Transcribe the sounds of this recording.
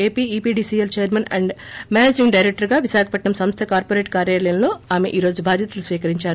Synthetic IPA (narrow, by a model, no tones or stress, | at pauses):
eːpiːiːpiːɖiːsielt͡ʃeːjɐɾmɐnɐ̰ɳɖmaːned͡ʒimɖɐjɾek̚ʈɐɾɡaːʋiʃaːkʰɐpɐʈɳɐmsɐmst̪ʰɐkaːɾpoɾeːʈ̚kaːɾjaːlɐjɐnlo̞ːaːme̞̰ʔiːɾo̞ːd͡ʒubʱaːd̪ʱjɐt̪ɐlusʋiːkɐɾiɲt͡ʃaːɾu